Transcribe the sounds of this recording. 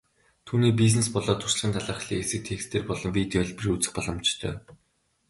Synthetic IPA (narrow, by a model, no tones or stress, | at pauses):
t̪ʰuːniːp̬iznespɔɮɔːt̪ʰʊr̥ʃɮʁiːnt̪ʰaɮaːχɮiːesɘ̆k̚t̪ʰekst̪ʰeːrpɔɮɞ̆mpit̪œɮprut͡sɘ̆χpɔɮɞ̆mt͡ɕt̪ʰœ̰ː